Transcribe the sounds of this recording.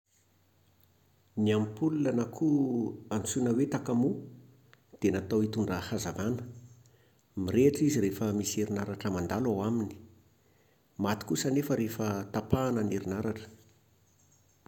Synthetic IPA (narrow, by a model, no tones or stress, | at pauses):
niampululanakʰuant͡sunəwet̪akamu | d̪̥enat̪awit̪uɳɖ͡ʐahazavanə̥ | miɾeʈ͡ʂiziɾefəmiseɾinaɾaʈ͡ʂəmand̪alawamini̥ | mat̪i̥kusanefəɾefət̪apaːnəneɾinaɾaʈ͡ʂə̥